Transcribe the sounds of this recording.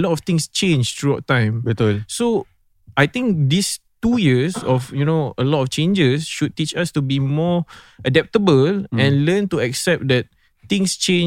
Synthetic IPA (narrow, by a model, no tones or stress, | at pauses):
əlɔtɔft̪ɪ̃ŋst͡ʃẽnd͡ʒt̪ɹuaʊt̚tːãɪ̃mbit̪so | ajt̪ɪ̃ŋk̚d̪istujiəsɔfjunoəlɔtɔft͡ʃẽnd͡ʒəsʃud̚tit͡ʃastubimɔʔədɛp̚təbəlɛ̃nlə̃ntuɛksɛp̚d̪ɛt̚ | t̪ɪ̃ŋst͡ʃẽn